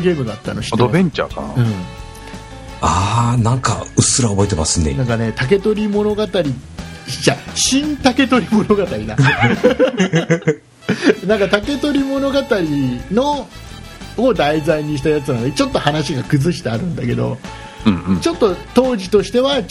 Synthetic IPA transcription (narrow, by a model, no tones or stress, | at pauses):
ɡʲe̞ːmɯ̟d̪at̪ːa̰no̞ɕi̥td̪obẽ̞ɲt͡ɕa̰ka̰na̰ɯ̟̃ɴ | anãŋka̰ɯsɨɾaobo̞et̪̬e̞ma̰sɨnḛnãŋkane̞t̪ak̬e̞t̪o̞ɾʲimo̞no̞ɡat̪aɾʲi | d͡ʑaɕĩnt̪ake̞t̪o̞ɾʲimo̞no̞ɡat̪aɾʲid̪a̰ | nãŋkat̪ake̞t̪o̞ɾʲimo̞no̞ɡat̪aɾʲino̞ | od̪aizaiɲ̟iɕi̥t̪ajat͡sɨnand̪et͡ɕo̞t̪ːo̞hanaɕiɡakɯ̟zɨɕi̥t̪eaɾɯ̟̃nd̪ake̞d̪o̞̰ | ɯ̃t͡ɕo̞t̪ːo̞t̪o̞ːʑit̪o̞ɕi̥t̪e̞βa